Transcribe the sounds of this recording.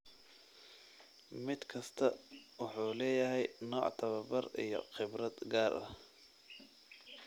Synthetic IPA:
mɪd̪kʰɐst̪ʰɐwʊħuːlɛːjɐɦɛjnɔːʕt̪ʰɐβɐbɐrḭjɔ̰χɪbɾɐd̪ɡaːɾʔɐ̰h

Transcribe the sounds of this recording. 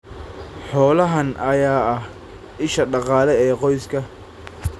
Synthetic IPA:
ħɔːlɐɦɐnʔɐjaːɐh | ʔɪʃɐɖɑqɑːlɛɛːqɔjskʰɐ

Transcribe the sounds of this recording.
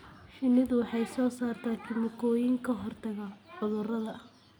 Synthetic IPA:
ʃɪnɪðʊwɑħɑjsɔːsaːrt̪ʰaːt̪ʰɪmʊkʰɔːjɪŋkʰɐɦɔrt̪ʰɐɣɐʕʊðʊrɐðɐ

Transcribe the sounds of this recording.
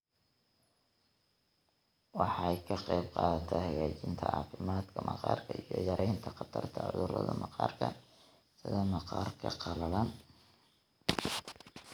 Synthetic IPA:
wɑħɑjkʰɐqɑjbqɑːðɐt̪ʰɛhɐɣaːt͡ʃɪnt̪ʰɐʔɑːfɪmaːd̪kʰɐmɑqɑːrkʰɐijɔjɐɾʔɛjnt̪ʰɐqɑt̪ʰɐrt̪ʰɐʕʊ̰ðʊɾɐðɐmɑqɑːrkʰɐ | sɪðɐmɑqɑːrkʰɐqɑlɐlɐn

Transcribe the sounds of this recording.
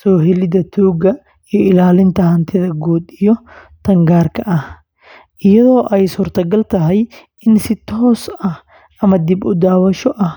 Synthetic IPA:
sɔːɦɛlɪd̪ɐt̪ʰuːɡɐ | ijɔɪlaːlɪnt̪ʰɐhɐnt̪ʰɪðɐɡuːd̪ijɔ | t̪ʰɐŋɡaːrkʰɐʔɐh | ʔɪjɐðɔːʔɛjsuːrt̪ʰɐɡɐlt̪ʰɐɦɛj | ɪnsɪt̪ʰɔːsɐh | ʔɐmɐd̪ɪbʊd̪aːwɐʃɔʔɐh

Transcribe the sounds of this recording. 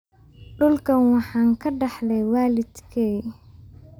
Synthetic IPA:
ɖʊlkʰɐnwɑħɑːŋkʰɐɖɑħlɛjwaːlɪd̪kʰɛj

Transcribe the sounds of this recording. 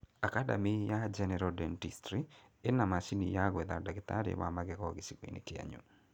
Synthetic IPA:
akada̰mijad͡ʒɛnɛɾɔdɛntistɾi | enamasinijaɡɛðadaɡɪta̰ɾḛma̰maɡɛkɔɡɪsikwḭnḛkɪa̰ɲṵ

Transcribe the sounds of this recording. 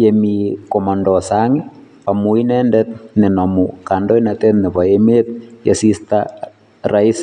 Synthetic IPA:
jɛmikomandɔsaŋɪ | pamuinɛndɛt̪̚nɛnamukandojnat̪ɛt̪nepaemet̪̚jɛ̰sista | rais

